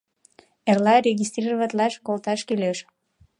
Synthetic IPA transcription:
erlɑɾʲeɣʲist̪rʲirəvət̪lɑʃkolt̪ɑʃkiløʃ

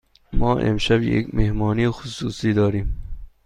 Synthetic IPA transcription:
mʔɒːʔḛmʃæbjḛkmehmɒːniːxʊsuːsiːd̪ɒːɾiːm

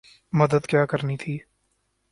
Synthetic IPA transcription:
mɐd̪əd̪kjaːkəɾnit̪ʰiː

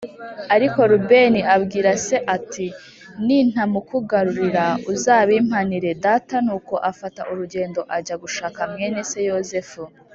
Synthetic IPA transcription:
aɾiko̞ɾube̞niabɡiːɾase̞ʔati | nin̥hamukuɡaɾuɾiɾauzaːβiːm̥haniɾe̞daːtanuːko̞ʔafataʔuɾuɟe̞ːndo̞ʔaɟaɡuʃaːkamŋe̞ːne̞se̞joze̞fu

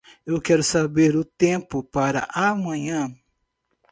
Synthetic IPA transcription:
ewkɛɾʊsabeɾʊt̪ẽpʊpaɾɐ̰ʔamɐ̃ɲɐ̃

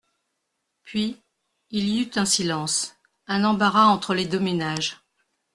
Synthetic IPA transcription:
pɥi | iliyt̪ɛ̃silɑ̃s | ɛ̃nɑ̃baʁaɑ̃t̪χəled̪ømenaʒ

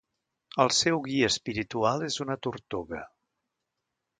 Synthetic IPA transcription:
əlˠsɛwɣiəːspiɾit̪ualˠezunət̪uɾt̪oɣə

